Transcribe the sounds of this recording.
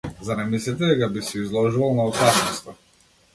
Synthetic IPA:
zanɛmislit̪ɛd̪ɛkabisɛizlˠɔʒuvalˠnaɔpasnɔst̪a

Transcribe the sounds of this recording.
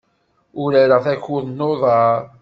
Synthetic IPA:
ʊɾæɾaθæçʊðnːoðˤɑɾ

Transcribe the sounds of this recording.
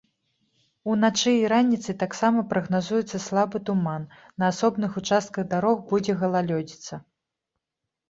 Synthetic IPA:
unat͡ʂɨiɾanʲit̪sɨt̪aksamɐpɾɐɣnazujɛt̪sːɐslˠabɨt̪umanː | ɐːsɔbnɨxut͡ʂast̪̚kɐɣd̪aɾɔɣbud͡zʲɛɣɐlˠalʲɔd͡zʲit̪sɐ

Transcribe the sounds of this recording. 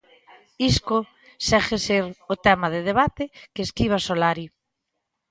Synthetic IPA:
iskʊ | sɛxeseɾot̪ɛmað̞eð̞eβ̞at̪ekeeskiβ̞asolaɾi

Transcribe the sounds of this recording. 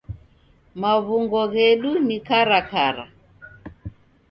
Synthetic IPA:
maβuŋɡɔɣɛɗunikaɾakaɾa̰

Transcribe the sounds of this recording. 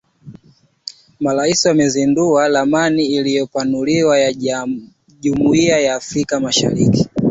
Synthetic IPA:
maɾaisiwamɛzindualamaniːlijɔpanuliwaja | ʄumuiajaːfɾikamaʃa̰ɾḭki̥

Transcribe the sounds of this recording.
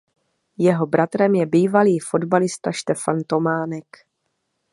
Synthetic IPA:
jɛɦo̞bɾat̪ɾɛmjɛbiːvaliːfo̞dbalɪst̪aʃt̪ɛfant̪o̞maːnɛk

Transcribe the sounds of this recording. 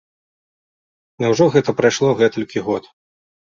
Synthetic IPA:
nʲɐwʐɔɣɛt̪ɐpɾajʂlˠɔɣɛt̪ɐlʲkʲiɣɔt̪

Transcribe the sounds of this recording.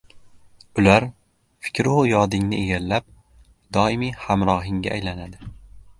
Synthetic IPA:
ʊlaɾ | fɪ̥kʲʰɾɪʊjɒd̪ɪŋnɪʔeɡʲallap̚ | d̪ɒɪmijhamɾɒɦɪŋɡʲa̰ːjlanad̪ɪ

